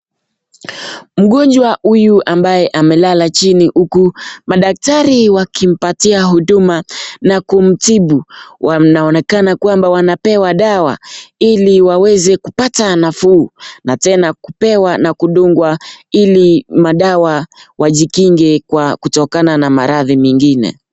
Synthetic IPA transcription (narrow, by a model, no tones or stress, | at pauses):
m̩ɠɔnd͡ʒwahujuʔambajɛʔamɛlalat͡ʃiniʔukumaɗak̚taɾiwakim̩patiaɦuɗumanakum̩tiɓuwanaɔnɛkanakwambawanapɛwaɗawa̰iliwawɛzɛkupatanafuːnatɛnakupɛwanakuɗuŋɡwailimaɗawawʔaʄikiŋɡɛkwakutɔkananamaɾaðimiŋɡinɛ̰